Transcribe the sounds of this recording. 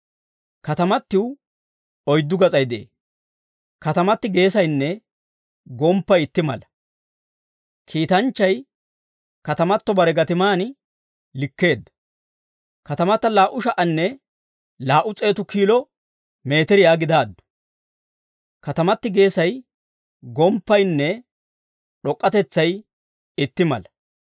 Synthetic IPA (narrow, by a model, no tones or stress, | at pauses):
kɐt̪ɐmɐt̪ːɪw | ɔjd̪ːʊɡɐt͡sʼɐjd̪ḛː | kɐt̪ɐmɐt̪ːɪɡe̞ːsɐjnːɛ | ɡɔmpːɐjɪt̪ːɪmɐ̰lɐ | kʰiːt̪ɐnt͡ʃːɐj | kɐt̪ɐmɐt̪ːɔbɐɾɛɡɐt̪ɪmaːn | lɪkːe̞ːd̪ːɐ̥ | kɐt̪ɐmɐt̪ːɐlaːʔʊʃɐʔɐnːɛ | laːʔʊt͡sʼe̞ːt̪ʊkiːlɔ | me̞ːt̪ɛɾɪjaːɡɪd̪aːd̪ːɔ̥ | kɐt̪ɐmɐt̪ːɪɡe̞ːsɐj | ɡɔmpːɐjnːɛ | ɗɔkʼːɐt̪ɛt͡sːɐj | ɪt̪ːɪmɐ̰lɐ